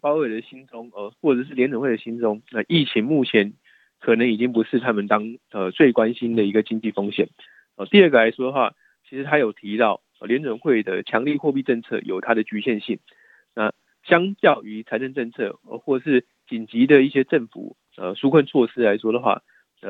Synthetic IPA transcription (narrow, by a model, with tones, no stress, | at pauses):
pɑ˥ʊe˨˩ɪd̪ə˩ɕi˥nt͡sʊ˥ŋə˧˩xwɔ˥˩ʈ͡ʂɤ˨˩ʂ̬ɻ̩˥˩ljɛ˧˦nwnwe˥˩ɪd̪ə˨ɕi˦˥nt͡sʊ˥ŋa˧ʔi˥˩t͡ɕʰi˧˦ŋmu˥˩t͡ɕʰjɛ˧˦n | kʰɤ˨˩nə˧˦ŋi˨˩t͡ɕi˦ŋpu˧˦ʂɻ̩˥˩t̪ʰa˥mə˨nt̪ɑ˥ŋə˧t͡swe˥˩ɪkwa˦nɕi˦nd̪ə˨i˧˥ɡə˨t͡ɕi˥ŋt͡ɕi˥˩fɑ˥ŋɕjɛ˨˩˦n | ɔ˨˩t̪i˥˧ə˥˩ɡə˨˩a˧˦ɪʂwɔ˥də˨xwa̰˥˩ | t͡ɕʰi˧˥ʂɻ̩˧˥t̪ʰa˥jo˨˩ʊt̪ʰi˧˥t̪ɑ˥˩ʊ˨˩ljɛ˧˦nə˨˩nxwe˥˩ɪd̪ə˩t͡ɕʰjɑ˧˦˥ŋli˥˧xwɔ˥˧pi˥˧ʈ͡ʂə˥˧nt͡sʰɤ̰˥˩jo˨˩t̪ʰa˥d̪ə˨t͡ɕy˧˥ɕjɛ˥˧nɕi˥˩n | na˥˩ | ɕjɑ˥ŋt͡ɕjɑ˥˨ʊy˧˥t͡sʰa˧˥ɪnə˥˧nʈ͡ʂə˥˧nt͡sʰɤ̰˥˧ə˧˩xwɔ˥˩˨ʂ̬ɻ̩˥˩ | t͡ɕi˨˩nt͡ɕi˧˦d̪ə˨i˥˩ɕjɛ˥ʈ͡ʂə˥˩nfṵ˨˩ | ə̰˧˨ʂu˥kʰwə˥˧nt͡sʰwɔ˥˧ʂɻ̩˥la˧˥ɪʂwɔ˥d̪ə˨xwa̰˥˩˥